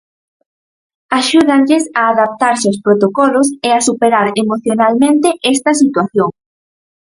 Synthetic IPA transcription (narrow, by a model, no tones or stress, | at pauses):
aʃuðaŋʎesaːðap̚t̪aɾseowspɾot̪okɔloseasupeɾaɾemoθjonalmẽnt̪eʔɛst̪ɐsit̪waθjoŋ